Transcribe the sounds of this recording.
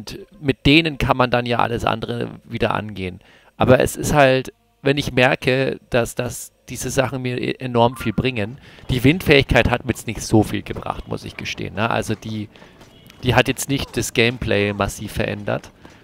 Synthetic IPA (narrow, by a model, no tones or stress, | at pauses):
ʊntmɪt̚d̥eːnənkʰanmandanjaːʔa̰ləsʔa̰ndəʁə̰viːdɐʔa̰nɡeːən | ʔa̰ːbɐɛ̰sɪsthalt | vɛnɪçmɛɐkəd̥asd̥asd̥iːzəzaχn̩miːɐʔʔenɔɐmfiːlbʁɪŋənd̥iːvɪntfɛːɪçkʰaɪthatmiɐjɛt͡stnɪçtz̥oːfiːlɡəb̥ʁa̰χtmʊ̰sɪ̰çɡ̥əʃtḛːənːəʔa̰lzod̥iː | d̥iːɦatjɛt͡stnɪçt̚d̥asɡ̥eɪmpʰl̥ɛɪmasiːfɛɐʔɛ̰ndɐ̰t